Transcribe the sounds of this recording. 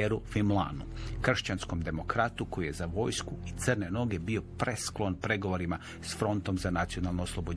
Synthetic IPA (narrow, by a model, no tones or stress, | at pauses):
eɾufimlˠa̰nukr̩ʃt͡ɕansko̞md̪e̞mo̞kɾat̪uko̞jije̞zaʋo̞jskuit̪sɨrne̞no̞ɡe̞bio̞pɾʔe̞sklˠo̞npɾe̞ɡo̞ʋo̞ɾima | sfɾo̞nt̪o̞mzanat̪sio̞nalˠnooslˠobo